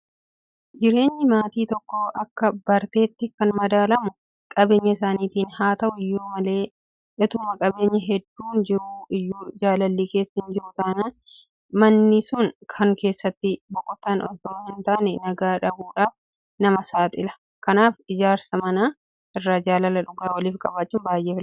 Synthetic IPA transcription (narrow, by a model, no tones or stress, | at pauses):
d͡ʒɪɾe̞ːɲːɪmaːt̪iːt̪ɔkːoːʔɐkːɐbɐɾt̪e̞ːt̪ːɪkːɐnmɐd̪aːlɐmʊ | kʼɐbe̞ːɲːɐɪsaːniːt̪iːnhaːt̪ɐʔʊɪjːuːmɐle̞ː | ʔɪt̪ʊmɐkʼɐbe̞ːɲːɐɦɛd̪ːuːnd͡ʒɪɾʊɪjːuːd͡ʒaːlɐlːiːke̞ːsːɐhɪnd͡ʒɪɾʊt̪aːnɐ | mɐnːɪsʊnkʰɐŋke̞ːsːɐt̪ːɪbɔkʼɔt̪ːaːnʔɔ̰t̪oːhɪnt̪aːnɛnɐɡaːᶑɐbuːᶑaːf | nɐmɐsaːt̪ʼɪlɐ̥ | kɐnaːfɪd͡ʒaːɾsɐmɐnaː | ʔɪrːaːd͡ʒaːlɐlːɐᶑʊɡaːwɐliːfkʼɐbaːt͡ʃːʊːnbaːjʔeːfɪl